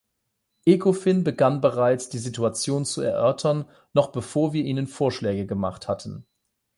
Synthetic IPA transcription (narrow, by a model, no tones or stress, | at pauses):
ʔekʰofɪnbəɡanbəʁaɪt͡sd̥iːzituat͡sjoːnt͡suɛ̰ɐʔœɐtʰɐnː | ɔχb̥əfoːɐviːɐʔiːnənfoːɐʃlɛːɡəɡəma̰χthatn̩